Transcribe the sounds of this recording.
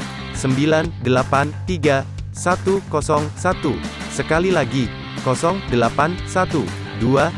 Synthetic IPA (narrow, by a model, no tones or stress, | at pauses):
səmbilandəlapant̪iɡa | sat̪ukɔsɔŋsat̪u | səkalilaɡi | kɔsɔŋdəlapansat̪u | dua